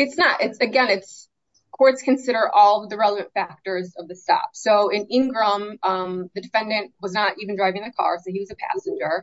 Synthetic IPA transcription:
ɨtsnəɾʔɪtsɨɡɛ̃nɨts | kʰɔɹtskʰɨ̃nsɪɾə˞ʔɔlˠðɨɹɛlˠəvɨ̃ntfæk̚tə˞zʌvðɨstɑ̰psoʊɪ̃nɪ̃ŋɡɹʌ̃mʌ̃ðɨdɨfɛ̃ndɨ̃nʔwʌznəɾʔivn̩dɹaɪvɪ̃ŋðɨkʰɑ̰ɹsoʊiwʌzɨpʰæ̰sɨ̃n̩d͡ʒə˞

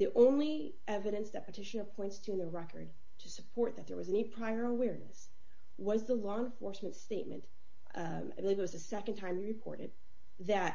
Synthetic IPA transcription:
ðiʔõʊ̃nli | ʔɛvɨɾɨ̃nsðɨt̚pətʰɪʃɨnə˞pʰɔ̃ɪ̃ntstʰɨɨ̃nðə˞ɹɛkə̰˞d̚ | tʰɨsɨpʰɔɹt̪̚ðɨt̪̚ðə̰˞wʌzɛnipʰɹ̥aɪə˞əwɛɹnɨ̰s | wʌzðəlɔə̃nfɔɹsmɨ̃ntsteɪt̚mɨ̰̃n | aɪbəlivɨt̚wʌzðɨsɛkɨ̃ntʰãɪ̃mwiɹɨpʰɔ̰ɹɾɨ̰d̪̚ | ðɨt̚

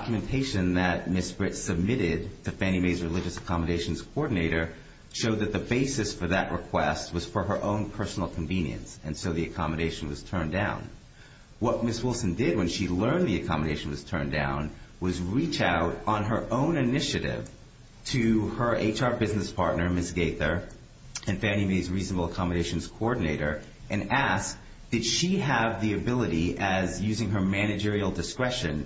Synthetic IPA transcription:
kjmɨ̃ntʰeɪʃɨ̃nðɨt̚mɪsb̥ɹɪtsɨb̚mɪɾɪd̚tʰɨfæ̃ñimeɪzɹɨlɪd͡ʒɨsɨ̥kʰɑməɾeɪʃn̩z̥kʰoɔɹdⁿn̩eɪɾə˞ | ʃoʊd̪̚ðɨt̪̚ðɨbeɪsɨsfə˞ðɨʔɹɨkʰw̥ɛst̚wʌz̥fə˞ə˞ʔõʊ̃npʰɜ˞sn̩l̩ˠkʰɱvĩnjɨ̰̃nsɨ̃nsoʊðiɨkʰɑmɨɾeɪʃn̩wʌz̥tʰɜ̃˞ndãʊ̃n | wʌt̚mɪswɪlˠsndɪd̚wɨ̃nʃilɜ̃˞nðiɨkʰɑmɨɾeɪʃn̩wʌz̥tʰɜ̰̃˞ndã̰ʊ̃nwʌzɹit͡ʃaʊɾn̩ə˞ʔõʊ̃nɨnɪʃɨɾɪ̰v̥ | tʰɨə˞ʔḛɪt͡ʃɑɹbɪznɨspʰɑɹtⁿnə˞mɪsɡ̥eɪθə˞ | ɨ̃nfæ̃nimeɪdzɹiznəbl̩ˠəkʰɑmɨɾeɪʃn̩z̥kʰoɔɹdⁿn̩eɪɾə˞ | ʔɨ̃næsk̚ | d̥ɨd̥ʃiəvðiɨbɪlˠəɾiʔɨzjʉzɪ̃ŋə˞mæñɨd͡ʒɪɹil̩ˠdɨskɹɛʃɨ̃n

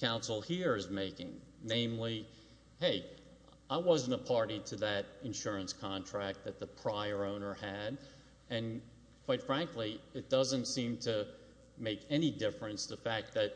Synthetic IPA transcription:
kʰãʊ̃nsl̩ˠhiɹɨzmeɪkɪ̰̃ŋnẽɪ̃mli | heɪ | aɪwʌzɨ̃n̩təpʰɑɹɾiɾɨðɨɾɨ̃nʃʊɹɨ̃nskʰɑ̃ntʰɹ̥æk̚t̪̚ðɨt̪̚ðəpʰɹ̥aɪə˞õʊ̃nə˞ɨɾ | ɨ̃n | kʰw̥aɪtfɹæ̃ŋkliɨt̚d̥ʌzɨ̃ntsĩmtʰɨ | meɪkɛnidɪfɹɨ̃nstʰɨfæk̚t̪̚ðɨt̚

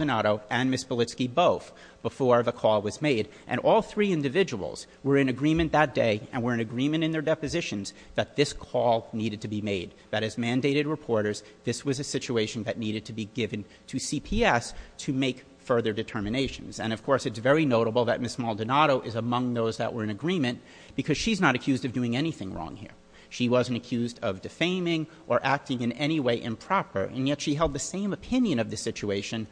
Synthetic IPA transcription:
dɨnɑɾoʊʔɨ̃nmɪsb̥əlɪtskiboʊθ | b̥əfɔɹʌvəkʰɔlˠwʌzmeɪɾ | ʔɨ̰̃ɾ̃ʔɔlˠθɹiɪ̃ndɨvɪd͡ʒəwl̩ˠz̥ | wə˞ɨ̃nɨɡɹĩmɨ̃nðɨt̚d̥eɪɨ̰̃nwə˞ɨ̃nɨɡɹĩmɨ̃ɾ̃ɨ̃nðə˞dɛpɨzɪʃɨ̃nz | ðɨt̪̚ðɪskʰɔlˠniɾɨd̚tʰɨbimeɪd̪̚ðɨɾɨzmæ̃ndeɪɾɨd̚ɹɨpʰɔɹɾə˞z | ðɪswʌzɨsɪt͡ʃueɪʃn̩ðɨtⁿniɾɨd̚tʰɨbiɡɪvɨ̃n | tʰɨsipʰiɛstʰɨmeɪk | fɜ˞ðə˞dɨtʰɜ˞mɨneɪʃɨ̃nzɨ̰̃ñʌv̥kʰɔɹsɨtsvɛɹinoʊɾəbl̩ˠðɨ̰t̚mɪsmɑlˠdɨnɑɾoʊʔɨzəmʌ̃ŋðoʊzðə̰ʔwʔə˞ɨ̃nɨɡɹĩmɨ̃n | b̥ɨkʰʌz̥ʃiznəɾɨkʰj̥ʉzdʌvdʉɪ̃ŋɛñiθɪ̃ŋɹɔ̰̃ŋhḭɹ | ʃiwʌzɨ̃ntɨkʰj̥ʉzdʌvdɨfẽɪ̃mɪ̃ŋ | ʔə˞ʔæk̚tɪ̃ŋɨ̃nɛɾ̃iweɪʔɨ̰̃mpʰɹ̥ɑpə̰˞ɨ̰̃njɛtʃiɦɛlˠd̪̚ðɨsẽɪ̃mɨpʰɪ̃njɨ̃nʌvðɨsɪt͡ʃueɪʃɨ̃n

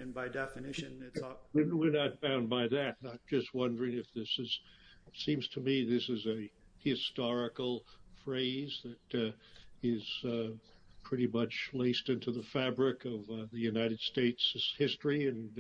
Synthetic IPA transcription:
ɨ̃nbaɪdɛfɨnɪʃɨ̃nɪtɨwɪɹnət̚b̥ãʊ̃nbaɪðɨt̚ət̚d̥ʒ̥ʌst̚wʌ̃ndə˞ɪ̃ŋɨfðɪsɨz̥sĩmz̥tʰɨmiðɪsɨzɨhɨstɑɹɨkl̩ˠfɹeɪzðɨɾ | ɪz̥ | pʰɹ̥ɪɾimʌt͡ʃleɪstɪ̃ntʉðəfæbɹɪkʌvðɨjʉnaɪɾɨd̥steɪtshɪstɹ̥iɨ̃n

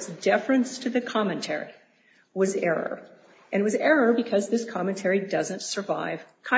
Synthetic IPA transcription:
tsd̥ɛfɹɨ̃nstʰɨðɨkʰɑmɨ̃ntʰɛ̰ɹḭ | wʌzɛɹə̰˞ | ʔɨ̃nwʌzɛɹə˞bɨkʰʌzðɪskʰɑmɨ̃ntʰɛɹidʌzɨ̃ntsə˞va̰ɪv̥kʰã

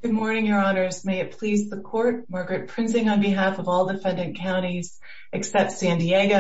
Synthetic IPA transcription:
ɡ̥ʊd̚mɔɹnɪ̃ŋjə˞ɑnə˞zmeɪɨt̚pʰl̥izðəkʰɔɹt̚mɑɹɡɹɨt̚pʰɹ̥ɪ̃nzɪ̃ŋə̃nbɨɦæfʌvɔlˠdɨfɛ̃ndɨ̃nkʰãʊ̃ɾ̃iz̥ | ʔɨksɛp̚tsæ̃ndieɡo

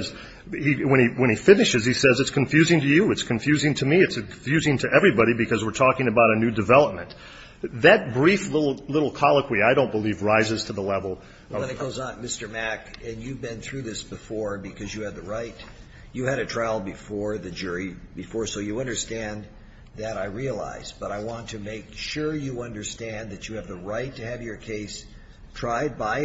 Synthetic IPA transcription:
z | hiwə̃ñiwə̃ñifɪ̃nɨʃɨz̥isɛzɨtskʰɨ̃ɱfjʉzɪ̃ŋtɨjɨɨtskʰɨ̃ɱfjʉzɪ̃ŋtʰɨmiɨtsɨkʰfjʉzɪ̃ŋtʰɨʔɛvɹibɑɾibɨkʰʌzwɨɹtʰɔkɪ̃ŋɨbaʊɾɨnʉdɨvɛlˠəp̚mɨ̃n | ðɨt̚b̥ɹiflɪɾl̩ˠlɪɾl̩ˠkʰɑlˠəkʰwiaɪɾõʊ̃nb̥əlivɹaɪzɨz̥tʰəðəlɛvl̩ˠ | ʌnɨt̚ɡ̥oʊzn̩mɪstə˞mækɨ̃njʉvbɨ̃nθɹʉðɪsb̥ɨfɔɹbɨkʰʌzjɨːd̪̚ðəɹaɪt | jɨɨɾɨtʰɹ̥aɪlˠbɨfɔɹðɨd͡ʒʊɹibɨfɔɹsoʊjɨʌ̃ndə˞stæ̃n | ðɨɾaɪɹiəla̰ɪz̥b̥ʌɾaɪwɑ̃ntʰɨmeɪkʃʊɹjɨʌ̃ndə˞stæ̃nðɨt͡ʃɨːvðəɹaɪtʰɨːvjə˞kʰeɪs | tʰɹ̥aɪd̚baɪ

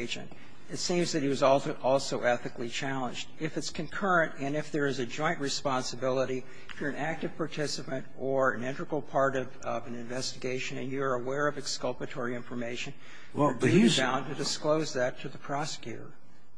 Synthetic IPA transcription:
ɪd͡ʒɨ̰̃nt | ɨtsĩmzðɨɾ̚iwʌzɔlˠʔɔlˠsoʊʔɛθɨklit͡ʃʰælˠə̃nd͡ʒdɪfɨtskʰɨ̃nkʰɜ˞ɨ̃ntɨ̃nɨfðə˞ɨzɨd͡ʒɔ̃ɪ̃nʔɹɨspɑ̃nsɨbɪlˠəɾi | ɪfjə˞ɨ̃næk̚tɨv̥pʰɑɹtʰɪsɨpɨ̃ntə˞ɨ̃nɪ̃ntɹ̥ɨkl̩ˠpʰɑɹɾʌvʌvɨ̃nɨ̃ɱvɛstɨɡeɪʃɨ̃nɨ̰̃njɨə˞əwɛɹʌvɨkskʌlˠpɨtʰɔɹiɪ̃ɱfə˞meɪʃɨ̃n | dɨbibãʊ̃ntʰɨdɨskloʊzðɨtʰɨðɨpʰɹ̥ɑsɨ̥kʰjʉ̰ɾə̰˞

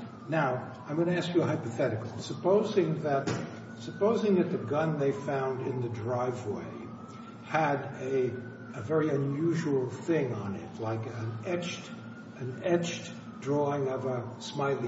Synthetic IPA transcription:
naʊ | ãɪ̃mɡʌñɨæskjɨɦaɪpɨθɛɾɨklˠisəpʰoʊzɪ̃ŋðɨt̚ | sɨpoʊzɪ̃ŋðɨt̪̚ðɨɡʌ̃nðeɪfãʊ̃ndɪ̃nðɨdɹaɪvwḛɪ | ɨɾɨ | ɨvɛɹiɨ̃njʉʒul̩ˠθɪ̃ŋə̃nɪ̰tlaɪkɨ̃nɛt͡ʃt | ɨ̃nɛt͡ʃt | dɹɔɪ̃ŋʌvəsmaɪlˠi

